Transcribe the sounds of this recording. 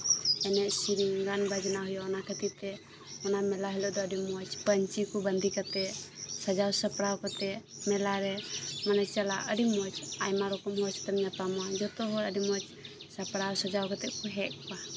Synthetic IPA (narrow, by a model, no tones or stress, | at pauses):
ɛnɛʔsiɾiŋɡanbad͡ʒnaɦujɔːnakʰət̪it̪ɛ | ɔnamɛlaɦɛlɔʔd̪ɔəɖimɔt͡ʃpəɲt͡ʃikɔbənd̪ʱikat̪ɛsad͡ʒawsəpɾawkat̪ɛmɛlaɾɛmanat͡ʃalaʔəɖimɔt͡ʃajmaɾɔkɔmɦɔt͡ʃt̪amɲapamɔad͡ʒɔt̪ɔɦɔɾəɖimɔt͡ʃ | səpɽawsəd͡ʒawkat̪ɛʔkuɦɛʔ̚pa